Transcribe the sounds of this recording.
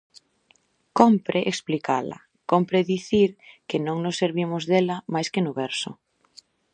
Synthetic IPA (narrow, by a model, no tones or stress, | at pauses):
kompɾeʔeksplika̰lɐ̰ | kompɾeðiθiɾkɪnõŋnʊsːeɾβimʊzðelɐmajskɪnʊβɛɾsʊ̰